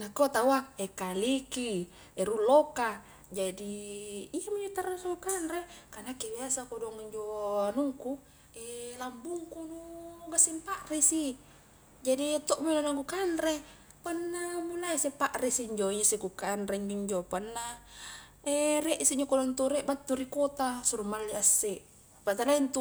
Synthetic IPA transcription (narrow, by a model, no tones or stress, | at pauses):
nakot̪awaŋekaliki | eɾuloka | d͡ʒadiː | amiɲd͡ʒot̪aɾasakukanɾekanakebiasakodɔŋiɲd͡ʒoanuŋku | elambuŋkunuɡasimpaʔrisi | d͡ʒadit̪oʔmolanaŋkukanre | panːamulaisepaʔrisiɲd͡ʒoɲasikukanreɲd͡ʒuɲd͡ʒopanːa | ereʔsiɲd͡ʒokodɔnt̪uɾeʔbat̪ːuɾikot̪asuɾumalːiasːeʔ | pat̪aɾaint̪u